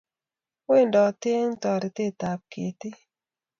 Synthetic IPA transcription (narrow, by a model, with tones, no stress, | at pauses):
we˦˨ndɔ˨te˦ŋtɔ˨ɾɪ˨te˦˨ta˨p̚kḛ˨ti˦